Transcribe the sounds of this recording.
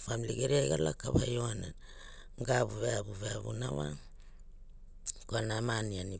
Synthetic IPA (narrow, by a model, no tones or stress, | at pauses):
familiɡeɾiajɡalakaβajo̞ana | ɡabuβeabuβeaβṵnawa̰ | koanamaniani